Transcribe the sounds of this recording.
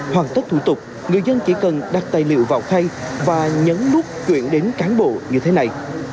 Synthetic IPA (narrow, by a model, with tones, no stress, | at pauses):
hwaː˨˩nt̪ə˦˥t̪ʰṵ˧˩t̪ʊ˨˩k͡p̚ | ŋɨ˨˩əjzə˧nt͡ɕi˧˩kə˨˩nɗa˨˩k̚t̪aː˨˩jlḭ˧˨əwva̰ː˧˨˩wt̪ʰa˧jvaː˨˩ɲə˨˦nlʊ˦˥p̚t͡ɕwḭ˧˨ənɗe˨˦nkaː˨˦nɓo̰˧˨ɲɨ˧t̪ʰe˨˦na˨˩j